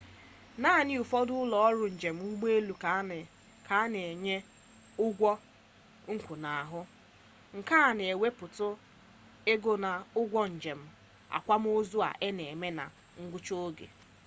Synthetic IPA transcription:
na˦a˨nɪ˦u˨fɔ˦dʊ˦ʊ˦lɔ˨ɔ˦ɾʊ˨n̩˨d͡ʒe˨m̩˦ʊ˦ɡ͡be˦lu˨ka˨˦˨ | ka˨˦ne˨e˨ɲe˦ | ʊ˦ɡʷɔ˦ | ŋ̩˦kʷu˨na˨a˨ɦʊ˦ | ŋ̩˨ka˦a˨n˨e˨we˦pʊ˨tʊ˦ | e˦ɡo˨na˨ʊ˦ɡʷɔ˦n̩˨d͡ʒe˨m̩˦ | a̰˨kʷa˦m˦o˦zu˦a̰˨ʔe˦ne˨e˨me˦na̰˨ | ŋ̩˦ɡʷʊ˦t͡ʃo˦o˦ɡḛ˨

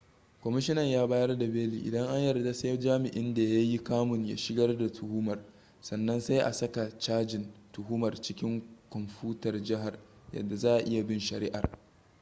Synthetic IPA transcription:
kʷɔ˨mɪ˦ʃɪ˦nɐ˨ɲjaː˦baː˦jɐ˦rda˨beː˦lḭː˨ʔɪ̰˨dɐ˦ŋʔa˦ɲjɐ˨rda˦sa˦jd͡ʒaː˦mɪ˨ʔɪ˦nda˨ja˦ji˦kaː˦mʊ˨ɲja̰˦ʃɪ˦ɡɐ˦rda˨tʰʊ˨huː˦mɐ˨r | sɐ˨nːɐ˦nsa˦jʔa̰˨sɐ˦ka˨t͡ʃaː˦d͡ʒɪ˨ntʊ˨ɦuː˦mɐ˨rt͡ʃɪ˦kʲɪ˦ŋkʷɔ˨mɸuː˦tɐ˨rd͡ʒɪ˦ɦa˨r | jɐ̰˨dːa˨zaː˦ʔa˨ʔɪ˦ja˨bɪ˦nʃɐ˨ɾɪ˦ʔa̰˨r

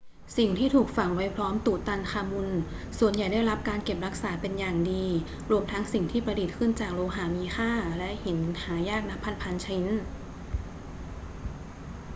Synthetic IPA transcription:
si˨˩ŋt̪ʰiː˥˩t̪ʰuː˨˩k̚fa˨˩ŋwa˦˥jpʰɾɔː˦˥mt̪uː˨˩t̪a˧nkʰaː˧mu˧n | su˨˩ənja˨˩jda˥˩jɾa˦˥p̚kaː˧nke˨˩p̚ɾa˦˥k̚saː˩˦pe˧njaː˨˩ŋdiː˧ | ɾu˧əmt̪ʰa˦˥ŋsi˨˩ŋt̪ʰiː˥˩pɾa˧di˨˩t̪̚kʰɯ˥˩nt͡ɕaː˨˩k̚loː˧ɦaː˩˦miː˧xʰaː˥˩lɛ˦˥ʔhe˩˦nhaː˩˦jaː˥˩k̚na˦˥pʰːa˧npʰa˧nt͡ɕʰa˧i˦˥n

